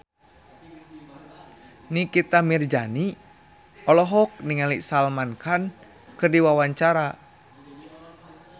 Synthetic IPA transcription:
nikit̪amird͡ʒani | ɔlɔɦɔk̚niŋalisalmankan | kɨrdiwawaɲt͡ʃaɾa

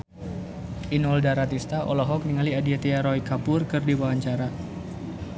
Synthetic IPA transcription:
ʔinɔldaɾat̪ist̪aʔɔ̰lɔɦɔk̚niŋaliadiat̪iaɾɔikapʊrkɨrdiwawaɲt͡ʃaɾa

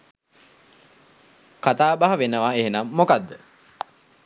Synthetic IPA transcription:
kat̪aːbaɦɐʋenəʋaeɦenamːokad̪ːə

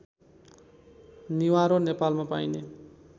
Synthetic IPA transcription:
niwaɾonepalmapajne

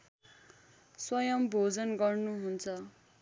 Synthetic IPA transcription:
swʌjʌmbʱod͡zʌnɡʌrnuɦunt͡sʰʌ

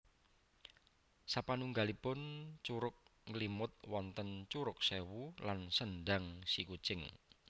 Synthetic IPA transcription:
sapanuŋɡalipʊnt͡ʃuɾʊk̚ŋlimʊt̪̚wɔnt̪ənt͡ʃuɾʊk̚sewulansənɖaŋsikut͡ʃɪŋ

